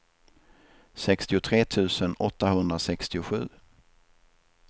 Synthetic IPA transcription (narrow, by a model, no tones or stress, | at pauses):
sɛkst̪ɪʊt̪ʰɾeːt̪ʰʉ̟ːsənɔt̪ːahɵnd̪ɾasɛkst̪ɪʊɧʉ̟̰ː